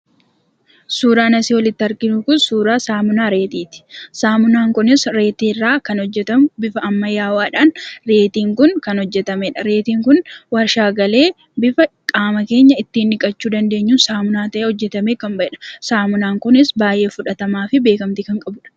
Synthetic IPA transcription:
suːɾaːnɐsiːwɔlɪt̪ːɪɐɾɡɪnʊkʊnsuːɾaːsaːmʊnaːɾe̞ːt̪iːt̪ɪ̥saːmʊnaːŋkʊnɪsɾe̞ːt̪irːaːkɐnɔd͡ʒːɛt̪ɐmʊbɪfɐɐmːɐjaːwaːᶑaːnɾe̞ːt̪iːŋkʊnkɐnhɔd͡ʒːɛt̪ɐmeːᶑɐɾeːt̪iːŋkʊnwɐɾʃaːɡɐle̞ː | bɪfɐkʼaːmɐke̞ːɲːɐɪt̪ːiːnːɪkʼɐt͡ʃːuːd̪ɐnd̪e̞ːɲːuːnsaːmʊnaːt̪ɐʔeːhɔd͡ʒːɛt̪ɐmeːkɐmbɐɛᶑɐ̥saːmʊnaːŋkʊnɪsbaːjʔe̞ːfʊᶑɐt̪ɐmaːfɪbe̞ːkɐmt̪ɪkɐŋkʼɐbʊᶑɐ̥

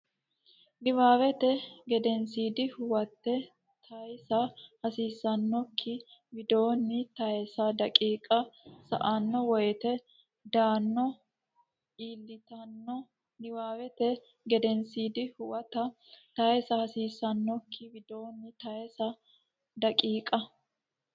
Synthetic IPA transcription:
nɪwaːwɛt̪ɛɡɛd̪ɛnsiːd̪ɪhʊwɐt̪ːɛ | t̪ʰɐjsɐhɐsiːsːɐnːɔkʰːɪbɪd̪oːnːɪt̪ɐjɛsɐd̪ɐkʼiːkʼɐsɐ̰ʔɐnːɔwɔjt̪ɛ | d̪aːnːɔ | ʔiːlːɪt̪ɐnːɔ | nɪwaːwɛt̪ɛ | ɡɛd̪ɛnsiːd̪ɪhʊwɐt̪ɐt̪ɐjɛsɐhɐsiːsːɐnːɔkʰːɪbɪd̪o̞ːnːɪt̪ɐjɛsɐ | d̪ɐkʼiːkʼɐ

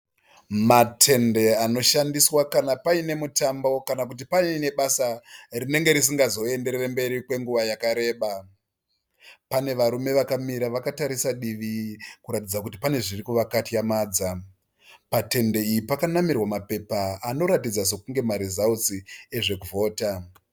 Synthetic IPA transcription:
matʰe̞nde̞ano̞ʃandiswakanapaine̞mutambo̞kanak̬ut̬ipaine̞ɓasarine̞ŋɡe̞ɾis̬iŋɡazo̞e̞nde̞ɾerembe̞ɾikwe̞ŋɡuʋajakaɾe̞ːɓa | pane̞ʋaɾume̞ʋakamiɾaʋakataɾisaɗiʋikuɾatid͡zakutipane̞ʐirikuʋakatijamaːd͡za | pate̞nde̞ijipakanamirwamape̞paano̞ɾatid͡zas̬e̞kuŋɡe̞maɾizausie̞ʐe̞kuvo̞ːta

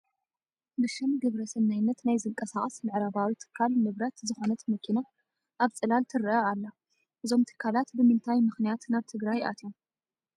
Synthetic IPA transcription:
bɨʃɨmɡɨβɾɐsɨnnajnːɐt̪najzɨŋkʼɐsaχʼɐsmɨʕɾaβawit̪ʰɨ̥kʰːalmɨβɾɐt̪zɨxo̞nɐt̪mɐkʰːina | ʔaβt͡sʼɨlalt̪ʰɨɾɨʔɐalːɐ | ʔɨzo̞mt̪ʰɨ̥kʰːalat̪bɨmɨnt̪ʰajmɨxnijat̪naβt̪ʰɨɡɾajʔa̰t̪ʰom

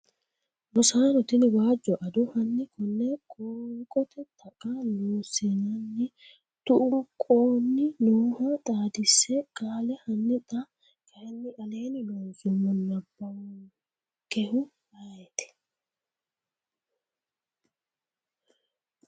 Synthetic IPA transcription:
mʊsaːnɔt̪ɪnɪwaːd͡ʒːɔʔɐd̪ʊhɐnːɪkʊnːɛkʼoːkʼɔt̪ʰɛt̪ʰɐkʼːɐnuːsɛnɐnːɪ | t̪ʊʔʊŋkʼoːnːɪnoːhɐt̪ʼaːd̪ɪsːɛkʼaːlɛhɐnːɪt̪ʼɐ | kɐjɐnːɪʔɐleːnɪlɔnsʼʊmːɔnːɐbːɐw | kɛhʊ | ɐɛt̪ɛ̥

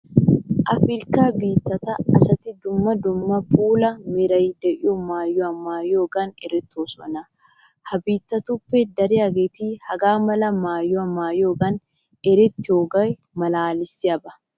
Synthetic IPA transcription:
ʔɐfɾɪɾkaːbiːt̪ːɐt̪ɐɐsɐt̪ɪd̪ʊmːɐd̪ʊmːɐpʰuːlɐmɪɾɐjd̪ɛʔɪɔmaːjːɔɐmaːjoːɡɐnɛɾɛt̪ːosɔ̰nɐ | hɐbiːt̪ːɐt̪upːɛd̪ɐɾɪjɐɡeːt̪iːhɐɡaːmɐlɐmaːjːɔɐmaːjoːɡɐn | ɛɾɛt̪ːɪoɡɐj | mɐlaːlɪsːɪɐbɐ

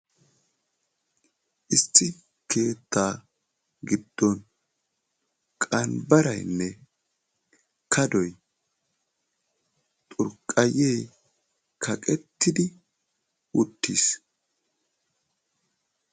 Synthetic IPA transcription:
ʔɪst̪ːɪ | ke̞ːt̪ːaː | ɡɪd̪̥ːɔn | kʼɐnbɐɾɐjnːɛ | kʰɐd̪ɔj | t̪ʼʊɾkʼːɐjej | kʰɐkʼɛt̪ːɪd̪ɪ | wʊt̪ːiːs

